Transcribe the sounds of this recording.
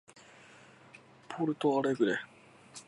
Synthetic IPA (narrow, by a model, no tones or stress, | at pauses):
pʰoːɾɯt̪oaɾeɡɯɾe